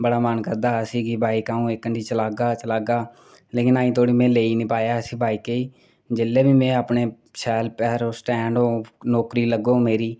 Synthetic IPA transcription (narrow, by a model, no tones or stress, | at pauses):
bəɽaːmənkəɾd̪aːsiːɡibʱaːiːkãːũːekːəɳɖiːt͡ʃəlaːɡaːt͡ʃəlaːɡaː | leːkɪnaːĩːt̪ʰoːɽiːmɛ̃ːleːinĩpaːjaːsiːbʱaːiːkeːiː | d͡ʒɪlːeːbiːmɛ̃ːəpneː | sɛːlpɛːɾoːsʈɛ̃ːɳɖoːnɔːkɾiːləɡoːmeːɾiː